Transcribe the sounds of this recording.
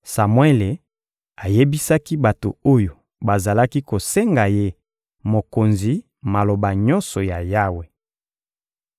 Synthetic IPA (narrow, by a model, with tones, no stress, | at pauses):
sa˨mwe˦le˨ | a˨je˦bi˦sa˦ki˦ba˨to̰˨o˦jo˨ | ba˨za˨la˦ki˦ko˨se˦ŋɡa˨je˦ | mo˨ko˨nzi˨ | ma˨lo˨ba˨ɲɔ˦nsɔ˨ja˨ja˦we˨